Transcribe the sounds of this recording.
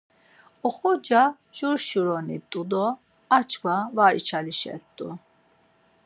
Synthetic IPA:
ɔχɔd͡ʒa | d͡ʒuɾʃuɾɔnit̪ʼud̪ɔ | at͡ʃʰkʰwavaɾḭt͡ʃʰaliʃɛ̰t̪ʼːṵ

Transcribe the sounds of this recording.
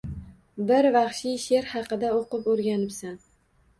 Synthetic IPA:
bɪɾvɑχʃɪjʃe̞ɾhɑqɨd̪aoqɨpoɾɡʲanɪpsan

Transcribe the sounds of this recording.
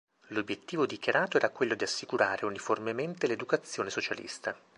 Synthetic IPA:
lobːjet̪ːiːvod̪ikjaɾaːt̪oɛːɾakwelːod̪iasːikuɾaːɾeuniformement̪eled̪ukat̪sːjoːnesot͡ʃalḭst̪a

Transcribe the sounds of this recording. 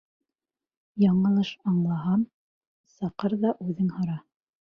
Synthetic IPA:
jɑɴɤ̆lˠɤʃɑɴlˠɑɦɑm | sɑqɤɾðɑʔʉðɘŋhɤ̆ɾɑ

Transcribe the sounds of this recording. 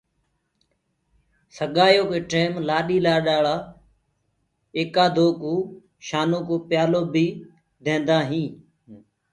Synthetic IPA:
səɠaːjoːkeːʈeːmlaːɗiːlaːɗaːɭaː | eːkaːd̪ʱoːkoː | ʃaːnoːkoːpjaːloːbʱiː | d̪ʱẽːnd̪aːɦĩː

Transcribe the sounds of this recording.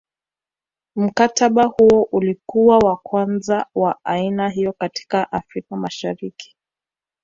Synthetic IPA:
m̩kataɓahuɔʔulikuwawakwanzawaainaɦijɔkati̥kaʔafɾikamaʃaɾiki̥

